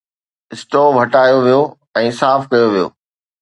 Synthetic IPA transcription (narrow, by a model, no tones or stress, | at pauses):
ɪsʈoːbʱɐʈaːjoʋijo | ɛ̃ːsaːfkɐjoʋijo̰ː